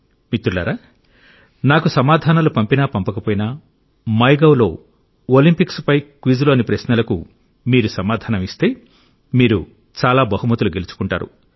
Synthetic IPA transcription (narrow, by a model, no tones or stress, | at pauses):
mit̪ːuɾla̰ːɾaː | naːkusɐmaːd̪ʱaːnɐlupɐmpinaːpɐmpɐkɐpoːjinɐ | mɐjɡɐwlo̞ː | oːlimpikspɐjkʋid͡ʒloːnipɾɐʃnɐlɐku | miːɾusɐmaːd̪ʱaːnɐmist̪e̞ː | miːɾu | t͡ʃaːlaːbɐɦumɐt̪uluɡe̞lut͡ʃu̥kuɳʈa̰ːɾṵ